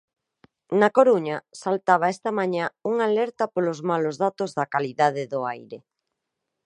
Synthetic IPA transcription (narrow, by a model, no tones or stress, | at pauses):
nakoɾuɲasalt̪aβ̞aɛst̪ɐmaɲãuŋalɛɾt̪ɐpolʊzmalʊzðat̪ʊzðɐkaliðað̞ɪðʊajɾɪ